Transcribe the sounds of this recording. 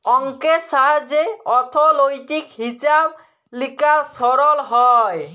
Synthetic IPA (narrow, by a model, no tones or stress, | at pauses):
ɔŋkesaɦad͡ʒeɔt̪ʰɔlojt̪ikɦisab̚ | likaɾsɔɾɔlɦɔj